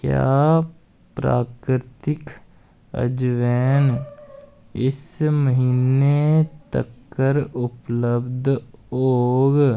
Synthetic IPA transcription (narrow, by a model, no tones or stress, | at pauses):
kja̰ː | pɾa̰ːkɾɾɪt̪ɪk | ə̰d͡ʒʋɛːn | ɪsməɦiːnet̪ə̰kːəɾʊpləbd̪ʱoːɡ